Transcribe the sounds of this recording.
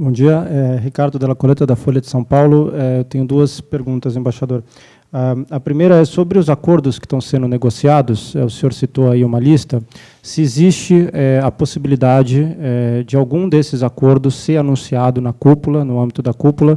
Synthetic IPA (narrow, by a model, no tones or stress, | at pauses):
bõd͡ʒiɐɛɦikaɾd̪ʊd̪ɛlɐkolet̪ɐd̪ɐfoljɐd̪ɪsɐ̃w̃pawlʊɛewt̪ẽɲʊd̪uɐspeɾɡũnt̪ɐzẽbaʃad̪oɾ | aɐpɾimejɾɐɛsobɾɪʊzakoɾd̪ʊskɪ̥st̪ɐ̃w̃sẽnd̪ʊneɡosiad̪ʊsɛʊsẽɲoɾsit̪oaiũmɐlist̪ɐ | sɪezist͡ʃɪɛɐposibilid̪ad͡ʒɪɛd͡ʒɪawɡũd̪esɪzakoɾd̪ʊsːeɾanũsiad̪ʊnɐkupulɐnʊɐ̃mbit̪ʊd̪ɐkupulɐ